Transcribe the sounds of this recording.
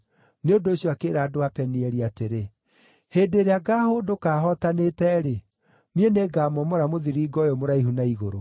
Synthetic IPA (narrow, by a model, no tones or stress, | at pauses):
neondoːɕjɔakeːɾaːdoapɛniɛɾiateɾe | heːdeɾeaɡahodokaːɦɔtanetɛɾe | nieneːɡamɔmɔɾamoðiɾiːɡɔjɔmoɾaiɦunaiɣoɾo